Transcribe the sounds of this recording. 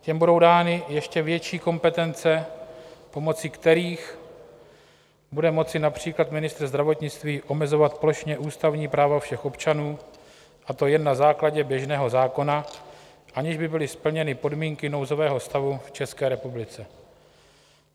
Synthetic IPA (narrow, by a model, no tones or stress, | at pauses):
cɛmbudo̞wdaːnɪjɛʃcɛvjɛt͡ʃiːko̞mpɛt̪ɛnt͡sɛ | po̞mo̞t͡siːkt̪ɛɾiːx | budɛmo̞t͡sɪnapr̝̥iːklat̪mɪnɪst̪ɾ̩zd̪ɾavo̞t̪ɲɪt͡st̪viːʔo̞mɛzo̞vat̪poloʃɲɛʔuːst̪avɲiːpɾaːvafʃɛxʔo̞pt͡ʃanuː | ʔat̪o̞jɛnːazaːklaɟɛbjɛʒnɛːɦo̞zaːko̞na | ʔaɲɪʒbɪbɪlɪspl̩ɲɛnɪpo̞dmiːŋkɪno̞wzo̞vɛːɦo̞st̪avuft͡ʃɛskɛːɾɛpublɪt͡sɛ